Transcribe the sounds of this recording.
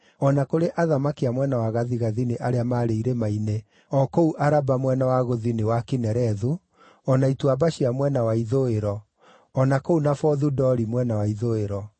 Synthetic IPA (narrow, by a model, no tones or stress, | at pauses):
ɔnakoɾeʔaðamakiamwɛnawaɣaðiɣaðineʔaɾeamaɾeiɾemaine | ɔkouʔaɾabamwɛnawaɣoðinewakinɛɾɛðu | ɔnaituabaɕiamwɛnawaiðoeɾɔ | ɔnakounafɔðudɔɾimwɛnawaiðoeɾɔ